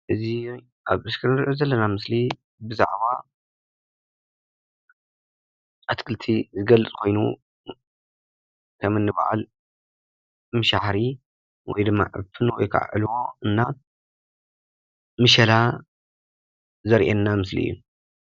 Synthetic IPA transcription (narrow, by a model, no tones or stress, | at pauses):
ʔɨzi | ʔaβʔɨskʰɨɾɨɾʔozɐlːɐnamɨsli | bɨza̰ʕβa | ʔat̪kʰɨlt̪ʰizɨɡɐlɨt͡sʼkʰo̞jnu | kʰɐmɨnːɨba̰ʕa̰l | mɨʃaħɾi | wɔ̰jd̪ɨmːa̰ʕɨ̰fʰɨnwɔ̰jkʰa̰ʕʕɨ̰lwoɨnːa | mɨʃɐla | zɐɾʔenːamɨsliʔɨ̰jːu